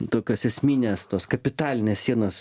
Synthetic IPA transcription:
t̪oːkʲoːsɛsʲmʲiːnʲeːst̪oːskɐpʲɪt̪ɑːlʲɪnʲeːssʲiɛnoːs

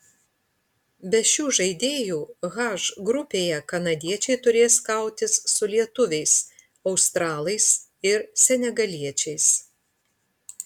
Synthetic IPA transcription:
bʲɛʃʲuːʒɐɪd̪ʲeːjuːɣɑʒɡɾʊpʲeːjɛkɐnɐd̪ʲiɛt͡ʃʲɛɪt̪ʊɾʲeːskɐˑʊt̪ʲɪsːʊlʲiɛt̪ʊʋʲɛɪs | ɐʊst̪ɾɑːlˠɐɪsɪɾsʲɛnʲɛɡɐlʲiɛt͡ʃʲɛɪs

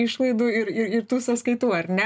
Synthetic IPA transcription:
ɪʃlˠɐɪd̪uːɪɾɪɾɪɾt̪uːsɐskɐɪt̪uːɐɾʲnʲɛ

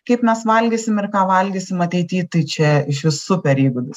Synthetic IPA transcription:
kɐɪpmʲɛsʋɐlʲɡʲiːsʲɪmɪrkɑːʋɐlʲɡʲiːsʲɪmɐt̪ʲɛɪt̪ʲiːt̪ɐɪt͡ʃʲɛɪʃʋʲɪsʊpʲɛɾʲiːɡʊd̪ʊs

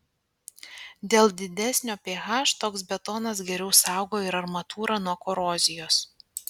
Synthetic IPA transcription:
d̪ʲeːlˠd̪ʲɪd̪ʲæsʲnʲoːpʲeːɣɑːʃt̪oːksbʲɛt̪ɔːnɐs̬ɡʲɛɾʲɛʊsɑˑʊɡoːɪɾɐɾmɐt̪uːɾɑnuɔkɔɾoːzʲɪjoːs

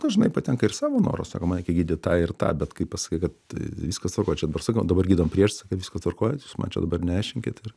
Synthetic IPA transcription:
ɐʒʲɪnɐɪpɐt̪ʲɛŋkɐɪrsɑːʋoːno̰ːɾo̰ːsɑ̰ːkoːmɑnʲɛɪkʲɛɡʲiːdʲɪt̪ɑːɪrt̪ɑ̰ːbʲɛt̪kɐɪpɑsɐ̥kʲeɪkɐt̪ʋʲiːskɐst̪ʋɐrkoːjɛt͡ʃʲɛd̪ɐbɐrsɑːkɐd̪ɐbɐrɡʲiːd̪ɐʋompʲrʲiɛʃsɑːkʲɛʋʲiːskɐst̪ʋɐrkoːjɛjuːsmɐ̰nt͡ʃʲɛ̰d̪ɐbɐrnʲɛæɪʃʲɪŋʲkʲɪt̪ɪr

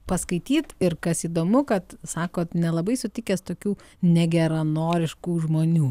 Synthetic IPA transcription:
pɐskɐɪt̪ʲiːt̪ɪɾkɐsiːd̪oːmʊkɐt̪sɑːkoːt̪nʲɛlˠɐbɐɪsʊt̪ʲɪkʲeːst̪oːkʲuː | nʲɛɡʲɛɾɐnoːɾʲɪʃkuːʒmoːnʲuː

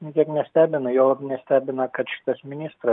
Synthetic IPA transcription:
nʲɪkʲiɛknʲɛsʲt̪ʲæːbʲɪnɐjoːlˠɐpnʲɛsʲt̪ʲæːbʲɪnɐkɐt̪ʃʲɪ̥t̪ɐsmʲɪnʲist̪ɾɐ

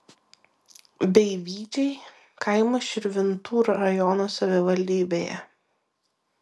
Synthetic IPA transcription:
bʲɛɪʋʲiːd͡ʒʲɛɪ | kʰɐɪmɐʃʲɪɾʲʋʲɪnt̪uːɾɐɾɐjɔnuːsɐʋʲɪʋɐlʲd̪ʲiːbʲeːjɛ̰

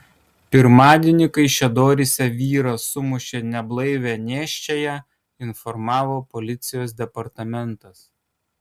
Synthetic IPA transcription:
pʲɪɾmɑːd̪ʲeːnʲɪkɐɪʃʲɛd̪oːɾʲɪsʲɛʋʲiːɾɐsʊmʊʃʲeːnʲɛblˠɐɪʋʲɛnʲeːʃʲt͡ʃʲɛjɛ | ɪnfɔɾmɑːʋoːpɔlʲɪt̪sʲɪjoːsd̪ʲɛpɐɾt̪ɐmʲɛnt̪ɐs

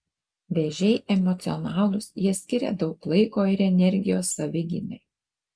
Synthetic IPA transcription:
ʋʲeʒʲɛɪʔɛmɔt̪sʲɪɔnɑːlˠʊsjiɛsʲkʲɪɾʲɛ̰d̪ɒʊklˠɐɪkoːɪɾɛnʲɛɾʲɡʲɪjoːsːɐʋʲɪɡʲɪ̰nʲɛɪ

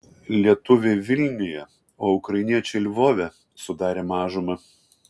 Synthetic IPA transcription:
lʲiɛt̪ʊʋʲeːʋʲɪlʲnʲɪjɛ | oːʊkɾɐɪnʲiɛt͡ʃʲelʲʋoːʋʲɛ | sʊd̪ɑːɾʲeːmɑːʒʊmɐ

